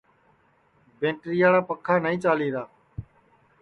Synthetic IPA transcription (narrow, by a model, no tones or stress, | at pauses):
bẽːʈɾɪjaːɽaːpəkʰaːnəĩːt͡ʃaːliːɾaː